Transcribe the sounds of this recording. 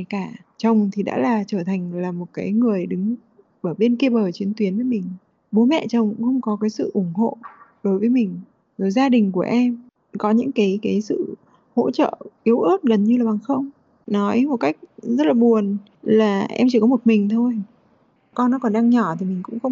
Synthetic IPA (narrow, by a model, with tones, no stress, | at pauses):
jkaː˧˩t͡ɕə˨˩wŋ͡mt̪ʰi˨˩ɗa̰ː˧˥laː˨˩t͡ɕəː˧˩t̪ʰa˨˩ŋ̟laː˨˩mo˨˩t̚kaː˨˦jŋɨ˨˩əjɗɨ˨˦ŋ | ʔəː˧˩ɓe˧nki˧ɓəː˨˩t͡ɕi˨˦ənt̪wi˨˦ənvəː˨˦jmï˨˩ŋ̟ | ɓo˨˦mɛ̰˧˨t͡ɕə˨˩wŋ͡mkxə˧wŋ͡mkɔ˨˦kaː˨˦jsɨ̰˧˨ʔʊ˧˩ŋ͡mɦo̰˧˨ɗo˨˦jvəː˨˦jmï˨˩ŋ̟ | zo˨˩jzaː˧ɗï˨˩ŋ̟ku˧˩əʔɛ˧m | kɔ˨˦ɲɨ̰˧˥ŋkaː˨˦jkaː˨˦jsɨ̰˧˨ | ho̰˧˥t͡ɕə̰ː˧˨ʔi˨˦əwʔɨ˦˥t̚ɣə˨˩nɲɨ˧laː˨˩ɓa˨˩ŋxə˧wŋ͡m | nɔ˨˦jmo˨˩t̚ka˦˥jk̟̚zə˦˥t̚laː˨˩ɓu˨˩ən | laː˨˩ʔɛ̰˧mt͡ɕi˧˩kɔ˨˦mo˨˩t̚mï˨˩ŋ̟t̪ʰo˧j | kɔ˧nːɔ˨˦kɔ˨˩nɗaː˧ŋɲɔ˧˩t̪ʰi˨˩mï˨˩ŋ̟kʊ̰˧˥ŋ͡mxə˧wŋ͡m